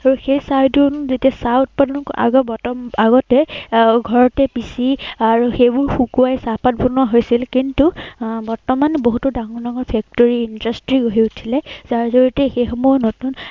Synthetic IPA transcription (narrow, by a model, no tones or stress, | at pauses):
aɹuxejsajdunzetiasaut̚panɔkʔa̰ɡɔbɔtɔmaɡɔtɛɡʱɔɹɔtɛpisiaɹuxejbʊɹxukuajsapat̚punɔɦojsilkintubɔɹtɔmanboɦutudaŋɔɹnaɡɔɹpʰɛk̚tɔɹiːndastɹiɡoɦiutʰilɛzaɹzoɹitɛxejxɔmɔɔnotun